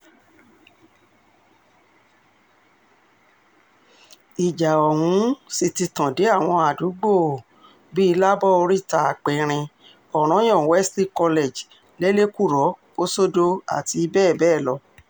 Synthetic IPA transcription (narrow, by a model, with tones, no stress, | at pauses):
i˨d͡ʒa˨ɔ˨hũ˨˦si˧ti˧tã˨de˨˦a˦˨w̃ɔ̃˧a˨du˨˦ɡ͡bo˦˨ | bi˦i˧la˦bɔ˦o˧ɾi˦ta˧a˨k͡pe˨ɾ̃ĩ˧ | ɔ˨ɾ̃ɔ̃˨˦j̃ɔ̃˦˨wɛ˦sti˦kɔ˧le˨d͡ʒ | le˦le˦ku˦˨ɾɔ˨˦ko˦so˦do˧a̰˦˨ti˧bɛː˦˨bɛː˦˨lɔ˧